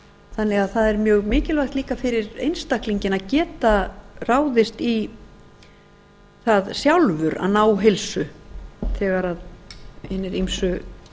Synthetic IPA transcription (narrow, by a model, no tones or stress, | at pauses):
θanːɛɣaðθaðɛɾmjœːɣmɪːcɪlvajxt̪liːkafɪɾɪɾejnst̪akliɲcɪnaðcɛːt̪araːwðɪst̪i | θaðsjawlvʏɾa̰naːwɦɪlsʏθɛːɣaɾaðhɪnɪɾimsʏ